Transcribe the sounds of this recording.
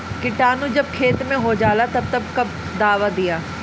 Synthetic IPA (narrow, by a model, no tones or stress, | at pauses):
kɪʈaːnũːd͡ʒəb̚kʰeːt̪mẽɦoːd͡ʒaːlaːt̪ɐb̚t̪ɐbkɐb̚ | d̪aːʋaːd̪ɪjaː